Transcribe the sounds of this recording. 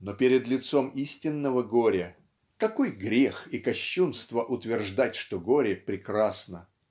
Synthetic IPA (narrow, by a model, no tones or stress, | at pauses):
nopʲɪɾʲɪd̪lʲɪt̪so̞misʲtʲɪnːəvəɡoɾʲə | kɐkojɡɾʲexikɐɕːunst̪vəʔʊt̪vʲɪrʐd̪atʲʂt̪oɡoɾʲɪpɾʲɪkɾasnə